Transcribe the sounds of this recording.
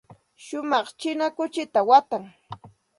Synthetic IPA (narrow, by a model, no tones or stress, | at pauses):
ʃʊmɑχt͡ʃɪnakʊt͡ʃɪt̪awat̪aŋ